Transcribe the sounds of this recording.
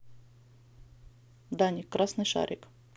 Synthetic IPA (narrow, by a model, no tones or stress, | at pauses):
d̪anʲɪkːɾʔasnɨjʂa̰ɾʲɪk